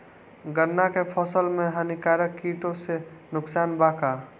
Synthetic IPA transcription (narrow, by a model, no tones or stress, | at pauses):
ɡəɾnakepʰɔsəlmeɦanikaɾəkːiʈõsenʊksaːnbaka